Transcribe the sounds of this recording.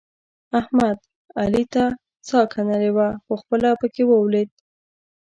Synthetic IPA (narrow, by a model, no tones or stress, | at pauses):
ahmad̪ | alit̪a | t͡sɑkʰanalewaxoxpəlapəkewəwled̪̚